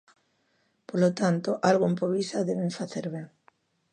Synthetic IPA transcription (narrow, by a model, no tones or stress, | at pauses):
polot̪ant̪oʔalɣoempoβisaðeβeɱfaθeɾβeŋ